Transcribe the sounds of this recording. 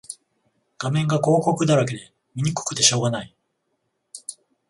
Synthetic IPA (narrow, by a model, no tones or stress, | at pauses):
ɡ̥amẽ̞ŋɡako̞ːko̞kɯ̟d̪aɾak̬e̞d̪e̞ | mʲiɲ̟ikɯ̥kɯ̟̥t̪ːe̞ɕo̞ːɡanai